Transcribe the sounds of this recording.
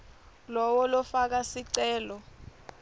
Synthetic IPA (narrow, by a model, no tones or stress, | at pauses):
lɔwɔlɔfak̬asiǀɛːlɔ